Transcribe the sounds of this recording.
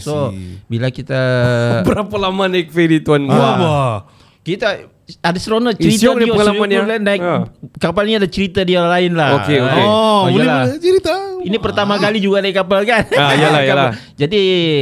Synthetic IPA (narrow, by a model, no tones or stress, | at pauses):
sobilakit̪abəɾapalamanaɪk̚fedit̪uanaba | kit̪a | adɛsɾonat͡ʃəɾit̪oəalamanjalanaɪk̚kapalniadat͡ʃəɾit̪adialaɪnlaokeokɔuailat͡ʃəɾit̪ainipərt̪amakalid͡ʒuɡanaɪkːapalkanajalaaa | d͡ʒadi